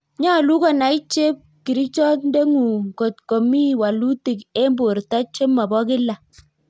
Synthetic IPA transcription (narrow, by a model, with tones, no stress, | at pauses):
ɲa˦˨lu˦kɔ˨na˨i˦t͡ʃe˦p̚ki˨ɾi˦t͡ʃɔ˦nde˦ŋu˨ŋko˨tko˨mi˦wa˨lu˦ti˨ke˦mbo˨ɾta˦t͡ʃe˦mːa˨bɔ˦kɪ˦la˨